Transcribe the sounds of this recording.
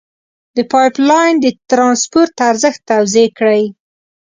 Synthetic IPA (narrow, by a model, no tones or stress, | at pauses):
d̪əpɑjplɑjnd̪ət̪ɾɑnspoɾt̪aɾzəxt̪ːawzekɽəj